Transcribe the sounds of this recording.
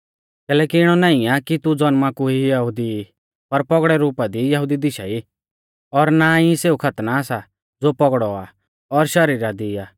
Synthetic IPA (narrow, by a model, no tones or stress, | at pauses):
kɛːlɛːkiɪɽ̃ɔnaːĩakit̪ud͡zɔnmakuɦijɐɦʊd̪i | pɐɾpɔɡɽɛɾuːpad̪ijɐɦʊd̪id̪ɪʃa̰i | ɔɾnaĩseːukʰɐt̪naːsa | d͡zoːpɔɡɽɔa̰ | ɔɾʃɐɾiːɾad̪iaː